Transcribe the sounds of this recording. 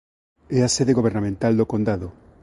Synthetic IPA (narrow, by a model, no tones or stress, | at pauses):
easeðeɣoβ̞eɾnamẽnt̪ald̪okond̪aðo